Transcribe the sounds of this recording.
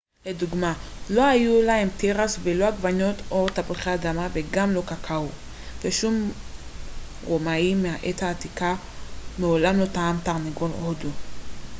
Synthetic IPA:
le̞duɡmalo̞ajulahemteʁasvelo̞aɡvano̞t̪o̞t̪apiχeadamaveɡamlo̞kakʰau | v̥eʃum | ʁomaimːeaʔethaːt̪ika | meolamlo̞taamt̪aʁnaɡolodu

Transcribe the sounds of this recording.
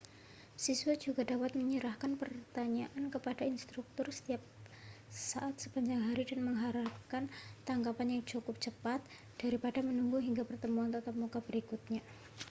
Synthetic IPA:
sisuad͡ʒuɡadapat̪̚məɲəɾahkanpərt̪aɲaʔankəpadainst̪ɾuk̚t̪ʊrsə̥t̪iap̚ | saʔat̪̚sə̥paɲd͡ʒaŋɦaɾidanməŋɦaɾap̚kant̪aŋkapanjaŋt͡ʃukʊp̚t͡ʃəpat̪̚ | d̥aɾipadamənuŋɡuɦiŋɡapərt̪əmuant̪ət̪əmukab̥əɾikut̪̚ɲa

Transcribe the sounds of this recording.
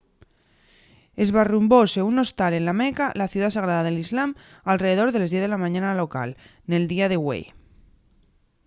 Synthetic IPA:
e̞zβarumboseuno̞st̪ale̞nlamekalaθjuðasaɣ̞ɾaðaðelizlam | alreðe̞ð̞o̞ɾðe̞lazðjeðe̞lamãɲãnalo̞ka̰l | ne̞ld̪iað̞e̞wḛj

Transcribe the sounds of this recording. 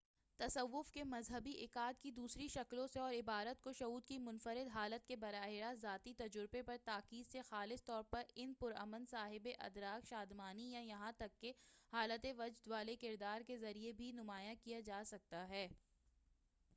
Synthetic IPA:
t̪ɐsəʋːʊfkemɐzɦəbiʔɪkaːd̪̚kid̪uːsɾiʃɐklõseɔːɾɪbaːɾət̪̚koʃɐɦuːd̪kimʊnfəɾɪd̪ɦaːlət̪̚kebɐɾaːɦɪɾazaːt̪it̪ɐd͡ʒʊɾbepɐɾt̪aːkiːd̪sexaːlɪst̪ɔːɾpɐɾɪnpʊɾɐ̰mənsaːɦɪbeʔɐ̰d̪ɾaːkʃaːd̪maːnijajɐɦãt̪ɐkːehaːlət̪eʋɐd͡ʒd̪ʋaːlekɪɾd̪aːɾkezɐɾiebʱinʊmaːjakijad͡ʒaːsɐk̚t̪aɦɛː

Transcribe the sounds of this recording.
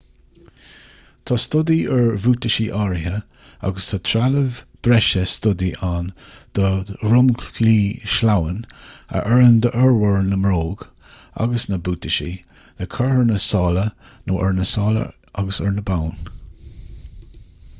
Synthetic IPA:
t̪ʰɑst̪ʊd̪iəɹvuːt̪əʃiʔaɹɦə | a̰ɡəst̪ʰɑt̪ʰɾaləvb̥ɾɛʃəst̪ʊd̪iʔand̪̥əɾʊmkʰliːʃlawənə̰ʔɛɹənd̪əʔɛɹwəɹnəmɾoːɡ | a̰ɡəsnəbuːt̪əʃḭ | ləkʰəɹhəɹnəsɑːlənoːʔɛɹnəsɑːlə̰ | ʔa̰ɡəsəɹnəbawn

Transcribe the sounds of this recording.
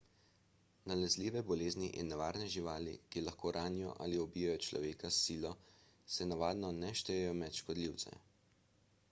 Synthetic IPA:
nalɛzliːʋɛbɔleːzniʔḭnːɛʋaːɾnɛʒiʋaːlḭkilaxkoːɾʔaːnijɔ̰ʔa̰ːliɔbiːjajɔt͡ʃlɔ̰ʋeːkasiːlɔ | sɛnaʋaːd̪nɔnɛʃt̪ɛjɛjɔmɛt̪ʃkɔd̪liwt̪sɛ̰

